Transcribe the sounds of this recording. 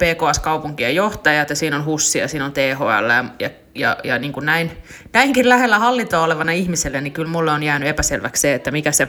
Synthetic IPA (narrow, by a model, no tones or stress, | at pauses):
peːkoɑskɑupuŋkiejoht̪ɑjɑt̪jɑsiːnonhusːiɑ̰siːnont̪eːɦo̰ɑ̰lːɑjɑjɑ | jɑ̰jɑniːŋkunnæin | næiŋkillæhelːæhɑlːit̪oːoleʋɑnɑihmiselːenikylmulːeonjæːnyepæselʋæ̰ksseet̪ːæmikæse